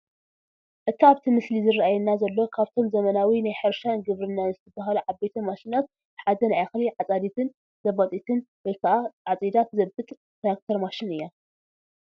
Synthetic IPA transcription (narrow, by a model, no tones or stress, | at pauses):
ʔɨt̪ʰiaβt̪ʰimɨslizɨraajɛnːazɐlːo̞kʰaβt̪ʰo̞mzɐmɐnawinajħɨɾʃanɡɨβɾɨnːanɨzɨt̪ʰɐbaɦaluʕabet̪ʰɐmaʃinat̪̚ | bɨħad̪ɐnaaxliʕat͡sʼad̪it̪ʰɨn | zɐβɐt̪ʼit̪ʰɨnbɐjk̪ʰaʔaʕat͡sʼid̪at̪zɐbɨt̪ʼ | t̪ɾak̚t̪ʰoɾmaʃinɨjːa